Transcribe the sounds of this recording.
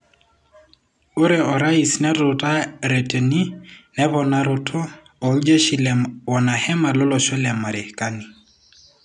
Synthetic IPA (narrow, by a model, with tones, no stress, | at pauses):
o˦ɾɛ˨ɔ˨ɾa˦i˨snɛ˦ɾʊ˨ta˦ɾe˨te˨ni˦nɛ˦βɔ˨na˨ɾʊ˨tʰɔ˦ | ɔ˨ld͡ʒe˦ʃi˨lɛwɔ˨na˨hɛ˦ma˨lʊ˦lɔ˨ʃɔ˦lɛ˨ma˨ɾɛ˨ka˦ni˨